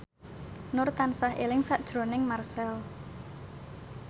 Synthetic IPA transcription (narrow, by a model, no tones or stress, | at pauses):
nʊrt̪ansaɦelɪŋsaʔd̥ʒ̥ɾonɪŋmarsɛl